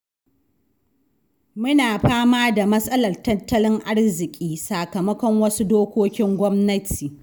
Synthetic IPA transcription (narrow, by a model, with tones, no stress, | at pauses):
mʊ˦naː˨ɸaː˦maː˦da˨mɐ˦sʼɐ˦lɐ˨rtɐ˦tːɐ˦lɪ˦ŋʔa˦ɽzɪ˨kʲʼiː˦saː˨kɐ˨mɐ˦kʷɔ˦ŋwɐ˦su˦doː˦kʷoː˦kʲɪ˦ŋɡʷɔ˦mnɐ˦tʰiː˨